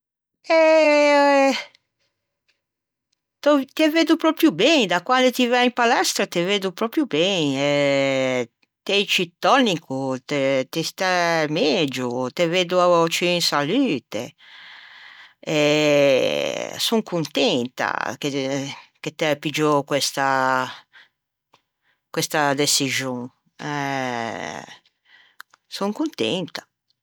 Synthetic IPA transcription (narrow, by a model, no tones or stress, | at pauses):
ɛ | t̪ot̪eveːd̪upɾɔpɾjubɛnd̪akwand̪et̪ivaimpalɛst̪ɾat̪eveːd̪upɾɔpɾjubɛnɛ | t̪ɛjt͡ʃit̪ːɔnikut̪et̪ist̪amɛd͡ʒut̪eveːd̪uat͡ʃiːnsalyːt̪e | e | soŋkunt̪ɛnt̪a̰keket̪ɛpid͡ʒɔkwɛst̪a | kwɛst̪ad̪esiʒjõŋ | ɛ | soŋkunt̪ɛ̰nt̪ḁ